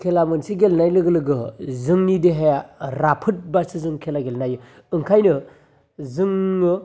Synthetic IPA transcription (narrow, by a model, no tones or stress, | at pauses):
kʰelamɯnsiɡelnajlɯɡɯlɯɡɯzɯŋnideɦejaɾapʰɯt̚basɯzɯŋkʰelaɡelnajɯ | ɯŋkʰajnɯ | zɯŋːɯ